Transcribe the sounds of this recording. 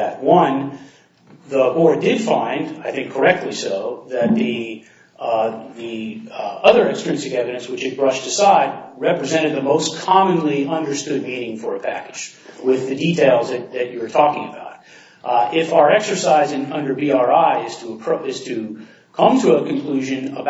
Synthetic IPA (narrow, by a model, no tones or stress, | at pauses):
ɨ̰t̚wʌ̃n | ðəʔɔɹdɪd̥fãɪ̃ndaɪθɪ̃ŋkʰə˞ɛk̚tˡlisoʊðɨt̪̚ði | ði | ʌðə˞ɨksɹɨ̃nsɨkɛvɨɾɨ̃nswɨt͡ʃɨt̚b̥ɹʌʃtɨsaɪd̚ɹɛpɹɨzɛ̃ɾ̃ɨd̪̚ðɨmoʊskʰɑmɨ̃nliʔʌ̃ndə˞stʊd̚miɾɪ̃ŋfə˞ɨpʰæ̰kɨd̥d͡ʒwɪðɨditʰeɪlˠzðɨt͡ʃðɨt͡ʃəə˞tʰɔkɪ̃ŋɨbaʊɾ | ɪfaʊə˞ɛksə˞saɪzɪ̃ŋʌ̃ndə˞biɑɹaɪɪz̥tʰəɪz̥tʰɨ | kʰʌ̃mtʰɨəkʰɨ̃n̩kʰl̥ʉʒɨ̃nəb